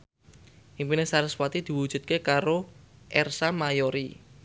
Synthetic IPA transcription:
ʔimpinesaɾəswat̪id̪̥i̤wud̥ʒ̥ṳt̪̚kekaɾoʔɛrsamajoɾi

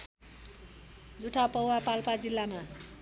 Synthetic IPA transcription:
d͡zuʈʰapʌwwapalpad͡zilːama

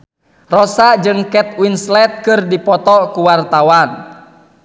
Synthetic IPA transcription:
rɔsad͡ʒɨŋkɛt̪winslɛt̪̚kɨrdipɔt̪ɔkuwart̪awan

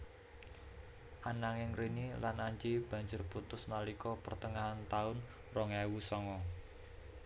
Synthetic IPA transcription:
ʔanaŋɪŋrenilanaɲd͡ʒeb̥ä̤ɲd͡ʒʊrput̪ʊsnalikɔpərt̪əŋaɦant̪aʊn | rɔŋawusɔŋɔ

